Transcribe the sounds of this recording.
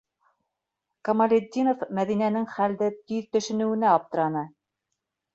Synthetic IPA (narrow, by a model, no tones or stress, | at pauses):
kɐmɐlʲed̪ʲːinofmæðinænɘŋχæld̪ɘt̪yðt̪ɵ̆ʃɘ̆nɘ̆wɘ̆næɑp̚t̪ɤ̆ɾɑnɤ